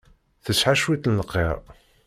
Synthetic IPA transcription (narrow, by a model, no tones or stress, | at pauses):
θəsħaʃwiθnləqːḛɾˤ